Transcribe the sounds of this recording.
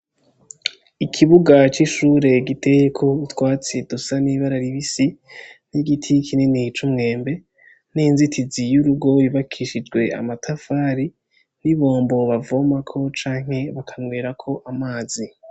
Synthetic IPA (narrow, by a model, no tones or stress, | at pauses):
ikʰiβuɡat͡ʃiʃuːɾe̞ɡitʰe̞jekʰo̞utwaːt͡sedusaniβaɾaɾiβisin̥iɡitʰikʰinenit͡ʃumŋe̞ːmbe̞ | ninzitʰizijuɾuɡo̞jiβakʰiʃid͡ʒɡwe̞a̰matʰafaːɾi | niβo̞ːmbo̞βavomakʰo̞t͡ʃaːŋ̥he̞βakʰaŋweːɾakʰo̞ʔamaːzi